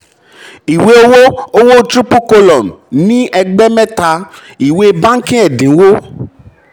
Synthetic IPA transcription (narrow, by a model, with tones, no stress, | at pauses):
i˨we˦o˦wo˦o˦wo˦t̪ɾi˦pu˦ko˦lɔ˨nnĩ˦ʔɛ˨ɡ͡bɛ˦mɛ̃˦t̪a˧ | i˨we˦˨bã˦ŋ̩˦kẽ˦ɛ˨dĩ˨˦wo˦